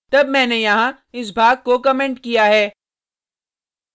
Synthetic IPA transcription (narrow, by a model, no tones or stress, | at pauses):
t̪ɐbmɛ̃ːnejɐɦã | ɪs̬bʱaːɡ̚kokɐmẽːɳʈkijaɦɛː